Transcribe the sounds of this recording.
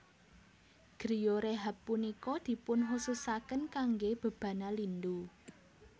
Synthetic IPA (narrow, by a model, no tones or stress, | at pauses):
ɡ̥ɾijoɾeɦapːunikɔd̪̥i̤pʊnɦususakənkaŋɡeb̥ə̤b̥ä̤nalind̪u